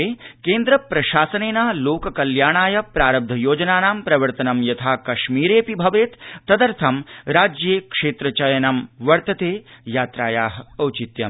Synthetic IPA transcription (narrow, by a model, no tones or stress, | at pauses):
eːkeːnd̪ɾɐpɾɐʃaːsɐneːnaːloːkɐkɐljaːɳaːjɐpɾaːɾɐb̚d̪ʱɐjoːd͡ʒɐnaːnaːmpɾɐʋɐɾt̪ɐnɐmjɐt̪ʰaːkɐʃmiːɾeːpibʱɐʋeːt̪ːɐd̪ɐɾt̪ʰɐmɾaːd͡ʒjeːkʂeːt̪ɾɐt͡ʃɐjɐnɐmʋɐɾt̪ɐt̪eːjaːt̪ɾaːjaːɦɐɐwt͡ʃit̪jɐ